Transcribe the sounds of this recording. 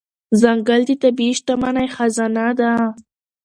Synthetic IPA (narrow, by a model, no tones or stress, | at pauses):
zaŋɡald̪it̪abiʃt̪amanajxazanad̪a